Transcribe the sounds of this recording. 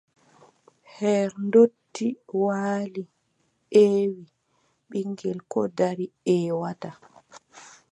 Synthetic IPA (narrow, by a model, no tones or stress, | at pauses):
hɛɾndotːiwaːli | eːwi | ɓiŋɡɛlkɔ̰daɾiɛːwata